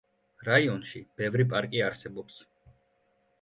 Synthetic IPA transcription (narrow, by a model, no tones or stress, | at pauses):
ɾaiɔnʃib̥ɛvɾipʼaɾkʼiaɾsɛbɔps